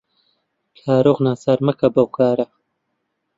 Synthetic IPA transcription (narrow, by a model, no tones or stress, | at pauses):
kʰaːɾoɣnaːsaːɾmɐkɐbɐwkaːɾɐ